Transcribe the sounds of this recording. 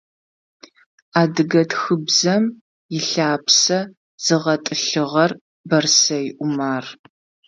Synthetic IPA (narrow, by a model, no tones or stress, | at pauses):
aːdɨɡɐtxɨbzɐm | jɪɬaːpsɐ | z̥ɨʁɐtʼɨɬɨʁɐr | bɐrsɐjɪʔʷʊmaːr